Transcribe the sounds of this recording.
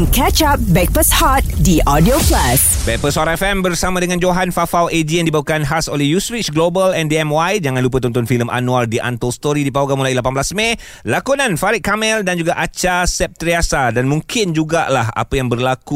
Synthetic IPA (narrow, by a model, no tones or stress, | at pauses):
nkɛt͡ʃap̚bɛk̚pəshat̪̚diʔɔdioklasbɛk̚pəsaɾaɛfɛmbərsamãdəŋãnd͡ʒoɦanfafawed͡ʒiəndibaukanɦasolɛhjuswit͡ʃɡlobəlɛndiɛmwajd͡ʒaŋãnlup̬ət̪ɔnt̪ɔnfiləmʔa̰nualdiʔa̰nt̪ɔlst̪oɾidipawɡamulajlapanblasmẽ | lakunãnfaɾiʔ̚kːamɛldand͡ʒuɡaʔat͡ʃasɛp̚t̪əɾiasadanmũŋkɪnd͡ʒuɡaʔlaha̰pəjaŋbərlaku